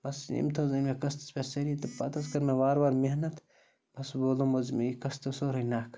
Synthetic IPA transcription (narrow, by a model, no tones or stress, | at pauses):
bɐsḭmt̪ʰozɐnmekɐst̪ɐ̥spʲesɐɾit̪ɐpɐt̪ɐskɐɾnɐʋaːɾbaːɾmeɦnɐt̪ | bɐsboːlomɐzmekɐst̪ɐsoɾɐjnaːkʰ